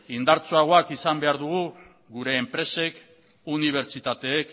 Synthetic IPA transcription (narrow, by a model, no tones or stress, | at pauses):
ind̪aɾt͡soaɣ̞o̞akisambe̞aɾðuɣu | ɡuɾe̞ːmpɾe̞se̞k | uniβ̞e̞ɾt͡ʃit̪at̪e̞ːk